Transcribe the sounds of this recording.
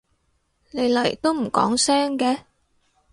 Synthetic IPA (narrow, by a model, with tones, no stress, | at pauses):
ne˨˧jlɐ˨˩jt̪o˥wm̩˨˩kɔ̰ː˨˥ŋsɛː˥ŋkɛː˨˧